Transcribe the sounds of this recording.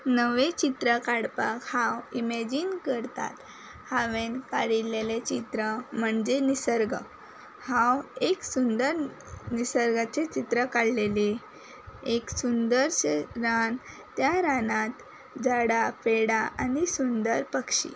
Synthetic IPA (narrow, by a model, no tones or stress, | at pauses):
nəʋet͡ɕit̪ɾəkaɽpakhãwimed͡ʑinkəɾt̪a̰t̪ | haʋenkaɽilelet͡ɕit̪ɾəm̤əɳd͡zenisəɾɡə | hãweksund̪əɾ | nisəɾɡat͡set͡ɕit̪ɾəkaɽlele | eksund̪əɾt͡ɕeɾan | t̪ːjaɾanat̪ | d͡zaɽapeɽaʔanisund̪əɾpəkɕḭ